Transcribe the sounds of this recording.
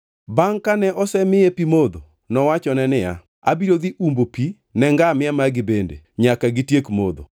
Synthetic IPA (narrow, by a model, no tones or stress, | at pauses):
baŋkanɛʔɔsɛmɪjepimod̪o | nɔwat͡ʃɔnɛnɪja | a̰biɾod̪iʔumbopi | nɛŋɡamɪamaɡɪbendḛɲakaɡɪtjekmo̰d̪o̰